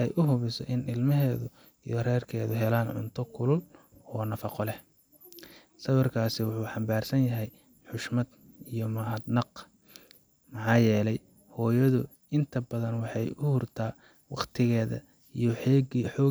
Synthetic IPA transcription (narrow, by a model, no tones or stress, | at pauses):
ɛjʔʊɦʊβɪsɔ̰ʔɪnɪlmɐɦɛːðʊ | ijɔrɛːrkʰɛːðʊɦɛlaːnʕʊ̰nt̪ʰɔkʰʊlʊl | ɔːnɐfɑqɔlɛh | sɐβɐrkʰaːsɪwʊħuːħɑmbaːrsɐnjɐɦɛj | ħʊʃmɐd̪ | ijɔmɐhɐd̪nɑq | mɑħɑːjɛːlɛj | hɔːjɐðʊ | ɪnt̪ʰɐbɐðɐnwɑħɑjʊhʊrt̪ʰaː | wɑqt̪ʰɪɣɛːðɐ̰ | ijɔħɔːɡiħɔː